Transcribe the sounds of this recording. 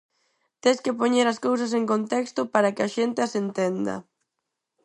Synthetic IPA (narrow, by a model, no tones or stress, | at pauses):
t̪eskɪpoɲeɾɐskows̬ɐs̬eŋkont̪ɛkst̪ʊpaɾɐkɪaʃent̪easent̪end̪ɐ̰